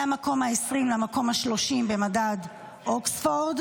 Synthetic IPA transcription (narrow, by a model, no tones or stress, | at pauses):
amako̞mhaesʁimlamako̞mhaʃlo̞ʃimbe̞madad | ʔoksfoʁd